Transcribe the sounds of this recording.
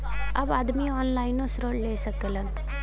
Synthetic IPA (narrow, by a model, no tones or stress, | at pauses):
ɐbaːd̪miɔːnlaːɪnosɾoːɽleːsəkələn